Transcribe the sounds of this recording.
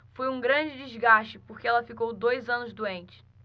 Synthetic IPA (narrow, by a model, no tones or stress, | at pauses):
fojũɡɾɐ̃d͡ʒɪd͡ʒɪzɡaʃt͡ʃɪpoɾkeɛlɐfikowd̪ojzɐ̃nʊzd̪uẽnt͡ʃɪ̥